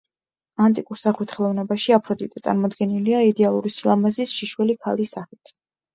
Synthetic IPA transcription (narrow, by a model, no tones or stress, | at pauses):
ant̪ʼikʼuɾsaχwit̪ʰχɛlˠɔvnɛbaʃiapʰɾɔd̪it̪ʼɛt̪sʼa̰ɾmɔd̪ɡɛniliaid̪ɛalˠuɾisilˠamazisʃiʃwɛlikʰa̰lisaχit̪ʰ